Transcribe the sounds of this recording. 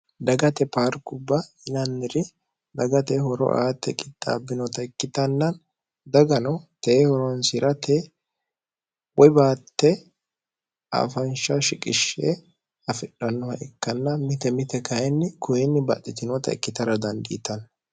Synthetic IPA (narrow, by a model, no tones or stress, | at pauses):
d̪ɐɡɐt̪ɛpaːɾkʊbːɐɪnɐnːɪɾɪ | d̪ɐɡɐt̪ɛhɔɾɔ̰ʔa̰ːt̪ːɛkʼɪt̪ʼːa̰ːbːɪnɔt̪ɐɪkːɪt̪ɐnːɐn | d̪ɐɡɐnɔt̪eːhɔɾɔnsɪɾɐt̪ɛ | wɔɪbaːt̪ːɛ | a̰ːfɐnʃɐʃɪkʼɪʃːɛ | ɐfɪɗɐnːɔhɐʔɛkːɐnːɐmɪt̪ɛmɪt̪ɛkɐjɛnːɪkʊjɪnːɪbɐ̰t̪ʼːɪt̪ɪnɔt̪ɐɪ̰kːɪt̪ɐɾɐd̪ɐnd̪ɪːt̪ɐn